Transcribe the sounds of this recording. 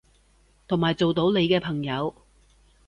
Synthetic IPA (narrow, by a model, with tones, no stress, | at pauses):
t̪ʰʊ˨˩ŋmaː˨jt͡so˨wt̪o˨˥wne˨˧jkɛː˧pʰɐ˨˩ŋjɐ˨˧w